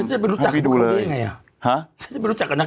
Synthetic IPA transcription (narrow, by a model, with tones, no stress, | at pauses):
a˦na˧˩pe˧lu˦a˨˩ki˧du˧ləː˧˦jŋa˧ja˨˩ | hã˦a˦nt͡ɕa˧pːɾu˦˥t͡ɕa˨kːa˧nɲa˧